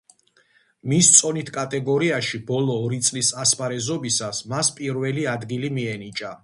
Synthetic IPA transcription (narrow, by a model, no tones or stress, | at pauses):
mist̪sʼɔnit̪ʰkʼat̪ʼɛɡɔɾiaʃibɔlˠɔːɾit̪sʼlisaspaɾɛzɔbisasmaspʼiɾvɛliad̪ɡilimiɛnit͡ʃʼa